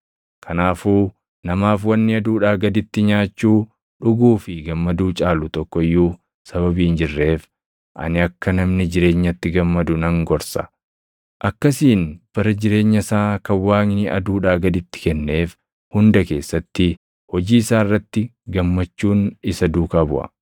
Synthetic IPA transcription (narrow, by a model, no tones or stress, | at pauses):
kʰɐnaːfuː | nɐmaːfwɐnːɪɐd̪uːᶑaːɡɐd̪ɪt̪ːɪɲaːt͡ʃːuː | ᶑʊɡuːfɪɡɐmːɐd̪uːt͡ʃʼaːlʊt̪ɔkːɔɪjːu | sɐβɐbiːnd͡ʒɪrːe̞ːf | ʔɐ̰nɪɐkːɐnɐmnɪd͡ʒɪɾe̞ːɲːɐt̪ːɪɡɐmːɐd̪ʊnɐŋɡɔɾsɐ̥̰ | ʔɐkːɐsiːnb̥ɐɾɐd͡ʒɪɾe̞ːɲːɐsaːkɐwːaːŋnɪʔɐ̰d̪uːᶑaːɡɐd̪ɪt̪ːɪ̥kɛnːe̞ːf | hʊnd̪ɐke̞ːsːɐt̪ːɪ | hɔd͡ʒiːɪsaːɪrːɐt̪ːɪɡɐmːɐt͡ʃːuːnɪsɐd̪uːkabʊ̰ʔɐ̰